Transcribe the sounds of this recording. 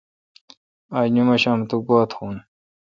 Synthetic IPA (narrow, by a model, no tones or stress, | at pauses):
aːnumɐɕaːmt̪uɡaːt̪xuːn